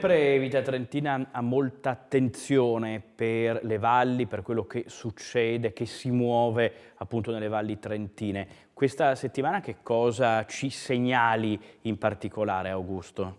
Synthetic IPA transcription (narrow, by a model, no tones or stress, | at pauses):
pɾeviːt̪at̪ɾent̪iːnaamːolt̪aːt̪ːent̪sjoːneperlevalːiperkwelːok̟esut͡ʃːɛːd̪ek̟esimwɔːve | apːunt̪onelːevalːit̪ɾent̪iːne | kwest̪aset̪ːimaːnak̟ekːɔːzat͡ʃiseɲːaːliimpart̪ikolaːɾeawɡust̪o